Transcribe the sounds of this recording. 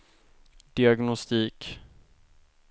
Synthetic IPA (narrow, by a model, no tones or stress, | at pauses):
d̪̥ɪaɡnɔst̪iːk